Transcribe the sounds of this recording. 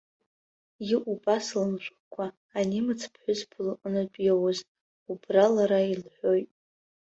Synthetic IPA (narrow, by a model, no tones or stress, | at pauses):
jiʔupʼaslɨnʃʷχkʷʰaː | nimɨt͡sʰpʰħʷᶣʊzbʰʊlqənapʼjawoz | ubralaɾailħʷᶣo̞jtʼ